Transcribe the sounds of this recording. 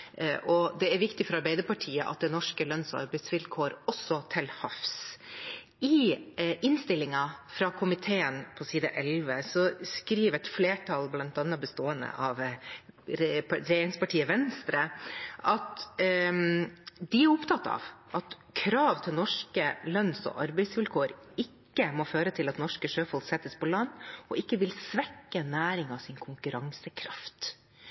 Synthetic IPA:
ʔɔd̪ɛæɾʋɪkt̪ɪfɔɾɑɾbæɪəɾpɑʈʰiːəʔɑ̰t̪̚d̪ɛnɔʂkəlœnsɔɑ̰ɾbɛɪt̪sʋɪlkʰoːɾɔsːɔt̪ʰɪlhɑfs | ɪʔɪnst̪ɪlːɪŋɑfɾɑkʰʊmɪt̪ʰeːənpʰɔsiːd̪əʔɛlʋəsɔskɾiːʋɛt̪fleːʈʰɑlblɑnt̪ɑnːɑbəst̪oːənə̰ʔɑʋ | ɾɛeːɾɪŋspɑʈʰiːəʋɛnst̪ɾəʔɑt̪ | d̪ɪæɾʊpt̪ʰɑt̪ːɑ̰ʋʔɑt̪ | kʰɾɑːʋt̪ʰɪlnɔʂkəlœnsɔ̰ʔɑɾbæɪsʋɪlkʰoːɾ | ɪkːəmɔføːɾət̪ʰɪlɑt̪nɔʂkəʂøːfɔlɡsɛt̪ːəspʰɔlɑnːɔʔɪkːəʋɪlsʋɛkːənæːɾɪŋɑʋsɪnkʰʊŋkʉɾɑŋsəkʰɾɑft̪

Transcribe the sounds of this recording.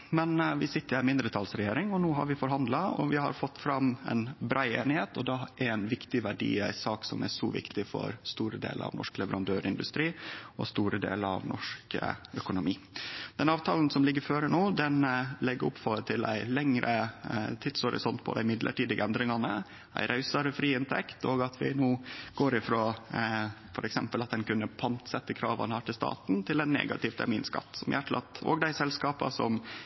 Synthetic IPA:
mɛnʋɪsɪt̪ːəɾæmɪnd̪ɾət̪ʰɑːlsɾɛjeːɾɪŋɔnoːɦɑ̰ɾʋɪfɔɾɦɑnd̪lɑɔ̰ʋɪhɑ̰ɾfɔt̪ːfɾɑmæ̰ɪnbɾæɪeːnɪheːt̪ɔd̪ɛʔɛɾæɪnʋɪkt̪ɪʋæɖḭːæɪsɑːksɔ̰mæʂɔːʋɪ̰kt̪ɪfɔ̰ɾst̪uːɾəd̪ḛːləɑ̰ʋnɔ̰ʂklɛʋəɾɑnd̪øːɾɪnd̪ʉst̪ɾiːɔst̪uːɾəd̪ḛːləɑ̰ʋnʔɔʂkə̰œkʊnʊmiːd̪̥ɛnɑːʋt̪ʰɑːln̩sɔmlɪɡːəɾføːɾənoːd̪ɛnlɛɡːəʊ̰pfɔət̪ʰɪlæ̰ɪlɛŋɾʔət̪ʰɪd̪shɔɾɪ̰sɔnt̪pʰɔ̰d̪æɪmɪd̪lʔə̰ʈiːd̪əɡəɛnd̪ɾɪŋɑnə | æ̰ɪɾʔɑʉsɑɾəfɾiːɪnt̪ʰɛkt̪oːɡɑt̪ʰʋɪ̰noːɡ̥oːɾɪfɾoː | fɔɾʔɛksɛmpəlɑt̪̚d̪ɛnkʉnːəpʰɑnt̪sɛt̪ːəkʰɾɑ̰ːʋɑ̰nəhæːʈɪlst̪ɑ̰ːt̪nt̪ʰɪlɛnːḛːɡɑ̰t̪ɪʋt̪ʰæ̰ɾmiːnskɑ̰t̪ːsɔmjæʈʰlʔɑt̪o̰ːɡd̪æɪsɛlskɑːpɑ̰sɔ̰m

